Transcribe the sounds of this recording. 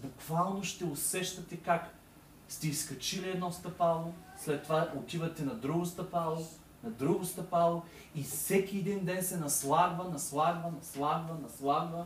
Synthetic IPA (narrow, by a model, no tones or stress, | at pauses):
bʊkvalˠnoʃt̪ɛʊsɛʃt̪ɐt̪ɛkak | st̪ɛiskɐt͡ʃiliɛd̪nɔst̪ɐpalˠo | slɛt̪ːovaot̪ivɐt̪ɛnɐd̪ɾuɡʊst̪ɐpalˠo | nɐd̪ɾuɡʊst̪ɐpalˠo | isɛkʲiɛd̪ind̪ɛnsɛnɐslˠaɡvɐnɐslˠaɡvənɐslˠaɡvɐnɐslˠaɡvə